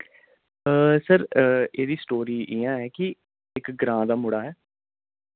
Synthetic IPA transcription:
əːsəɾeːd̪iːsʈoːɾiːʔɪjãːɛːkɪ | ɪkɡɾãːd̪aːmʊɽaːɦɛː

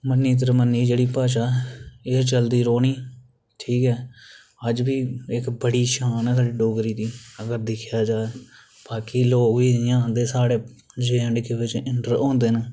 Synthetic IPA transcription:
mənːiːt̪̬əɾmənːiːd͡ʒeːɽiːpaːʃaːeːt͡ʃəld̪iːɾoːniː | ʈʰiːkɦɛː | əd͡ʒbiːɪkbəɽiːʃãːnːsaɽiɖoːɡɾiːd̪iːəɡəɾd̪ɪkʰjaːd͡ʒaːeː | b̥aːkiːloːiːjãːnd̪eːsaːɽeː | d͡ʒeːəɳɖkeːʋɪt͡ʃɪɳʈəɾõːnd̪eːneː

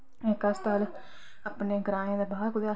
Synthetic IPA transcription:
ekəst̪aːl | aːpneːɡəɾaːẽːd̪ebaːɾkʊd̪ea

